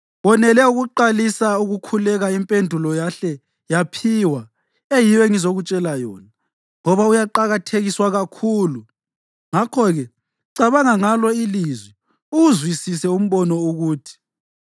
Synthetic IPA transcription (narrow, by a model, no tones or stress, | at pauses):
βɔnɛlɛuɣuǃalisauɣukʰulɛɣaimpʼendʱulɔjaɬɛ | japʰiːwa | ejiwɛŋizoɣut͡ʃʼɛlajɔːna | ŋɔβaujaǃaɣatʰeɣiswaɣakʰuːlu | ŋakʰɔɣɛ | ǀaβaŋaŋalɔilizwi | uuzwisisɛum̩βɔnɔuɣuːtʰi̥